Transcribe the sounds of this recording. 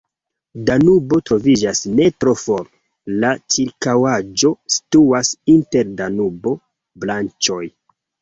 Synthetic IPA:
danubo̞tɾo̞vid͡ʒasne̞tɾo̞fo̞ɾ | lat͡ʃiɾkawad͡ʒo̞si̥tuasinte̞ɾdanubo̞ | blant͡ʃo̞j

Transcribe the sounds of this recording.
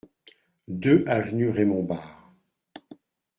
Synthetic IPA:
d̪øʔavnyʁemɔ̃baːʁ

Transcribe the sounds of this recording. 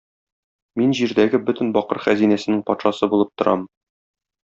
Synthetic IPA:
minʑiɾd̪æɡɘbɵt̪ɘ̆nbɒqɤɾχæzinæsɘ̆nɘŋpɒt̪ʃɑsɤbulˠɤp̚t̪ŏɾʔɑ̰m

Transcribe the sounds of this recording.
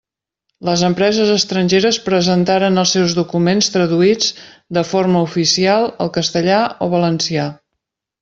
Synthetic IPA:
ləzəmpɾɛzəzəst̪ɾənʲʒeɾəspɾəzənt̪aɾənəlˠsɛwzðukumenst̪ɾəðuid͡zd̪əforməufisialˠəlˠkəst̪əʎaoβələnsia

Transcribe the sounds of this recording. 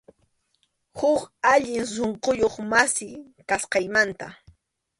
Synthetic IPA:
hʊkaʎɪŋs̬oɴqojoχmasɪ | kasqɑjmant̪a̰

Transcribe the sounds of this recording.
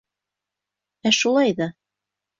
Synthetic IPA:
æʃulˠɑjðɑ

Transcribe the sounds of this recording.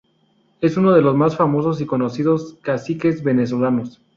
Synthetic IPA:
e̞suno̞ð̞e̞lo̞zmasfamo̞so̞s̬iko̞no̞siðo̞skasike̞zβe̞ne̞s̬olano̞s

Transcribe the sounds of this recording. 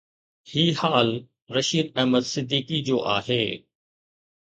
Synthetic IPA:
hiːhaːl | ɾɐʃiːd̪ɛɦməd̪sɪd̪ʱːiːkid͡ʑoːʔaːɦeː

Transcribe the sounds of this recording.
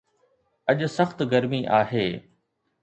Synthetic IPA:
ɐʄʊsɐxt̪ɡɐɾmiʔaːɦeː

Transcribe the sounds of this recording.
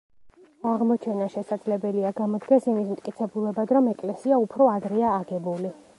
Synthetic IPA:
aʁmɔt͡ʃʰɛnaʃɛsad̪zlɛbɛliaɡamɔd̪ɡɛsimismt̪ʼkʼit̪sʰɛbulɛbad̪ɾɔmɛkʼlɛsiaupʰɾɔad̪ɾɛaːɡɛbuli

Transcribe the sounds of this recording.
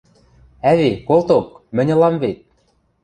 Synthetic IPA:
æβekolt̪ok | mɘ̆nʲɤ̆lɑmβet̪̚

